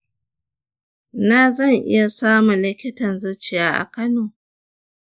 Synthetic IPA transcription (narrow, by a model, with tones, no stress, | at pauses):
na˦zɐ˦˨ŋʔɪ̰˦ja˨saː˦mu˨lɪ˦kʲɪ˦tɐ˨nzʊ˦t͡ʃɪ˦jaː˦ʔa̰˨kɐ˦noː˨